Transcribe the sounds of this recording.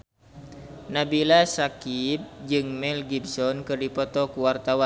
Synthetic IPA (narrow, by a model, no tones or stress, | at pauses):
nabilasakip̚d͡ʒɨŋmɛlɡibsɔnkɨrdipɔt̪ɔkuwart̪awa